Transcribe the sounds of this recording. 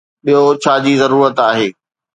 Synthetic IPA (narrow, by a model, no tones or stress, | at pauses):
ɓijot͡ɕʰaːd͡ʑiːzɐɾuːɾət̪aːɦeː